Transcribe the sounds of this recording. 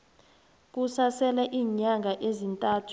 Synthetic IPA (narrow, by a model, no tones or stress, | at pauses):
k̬usasɛlɛʔiːɲaŋɡʱaʔezintʼaːtʰu̥